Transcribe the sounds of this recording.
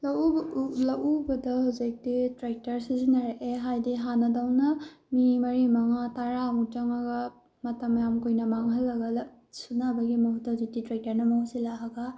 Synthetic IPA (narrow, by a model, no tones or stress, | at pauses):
lɐlɐwubɐdɐhawzik̚ditɾek̚tɐɾsizinɐɾeʔeɦajdiɦanɐdawnɐmimɐɾimɐŋataɾaŋutaŋɐɡɐ | mɐtɐmjamkojnɐmaŋɦɐlːɐɡɐl | sunabɐɡimɐhutːahzik̚ditɾak̚tɐɾnɐmɐhusilaɦaɡɐ